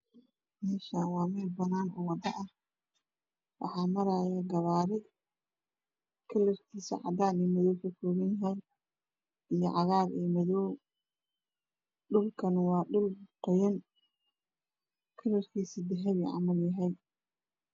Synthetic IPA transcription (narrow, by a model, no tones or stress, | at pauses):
mɛːʃawɑːmɛːdbɐnaːnɔwɑd̪ɐʔɐh | wʔɑ̰ħɑːmɐɾaːjaːɡɐβaːɾɪd | kʰɪlɐrkʰiːsḭʕɑ̰d̪aːniːmɐðɔwkɐfɔːɣɐnjɐɦɛjn | ijɞʕɑɣaːɾḭːmɐðɔw | ɖʊlkʰɐnwɑːɗʊlqɔjɐn | kʰɪlɐrkʰiːsiːd̪ɛħɛβiʕɑ̰mɐljɐɦɛj